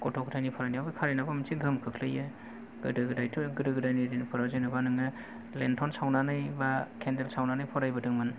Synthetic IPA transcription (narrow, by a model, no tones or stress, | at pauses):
kɔtʰɔkʰtʰajnipʰɔɾajniawbakʰaɾijnabamtʰiɡɯmkʰɯkʰlɯjɯ | ɡ̥ɯdɯɡɯdajtʰuɡɯdɯɡɯdajniɾinipʰɯɾazajnabanɯŋɯ | lentʰɔnsawnanɯjbakʰendelsawnanɯjpʰɔɾajbɯdɯŋman